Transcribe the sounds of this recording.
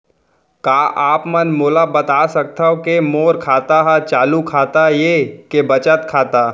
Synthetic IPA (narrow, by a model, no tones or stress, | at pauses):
kaːʔaːpmənmoːlabɐt̪aːsɐk̚t̪aokemoːɾkʰaːt̪aɦɛt͡ʃaːlukʰaːt̪ajekebət͡ʃət̪kʰaːt̪a